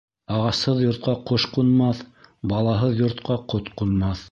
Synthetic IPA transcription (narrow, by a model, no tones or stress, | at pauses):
ɑʁɑshɤðjŏɾt̪̚qɑqoʃqunmɑθbɑlˠɑɦɤðjŏɾt̪qɑqot̪qunmɑθ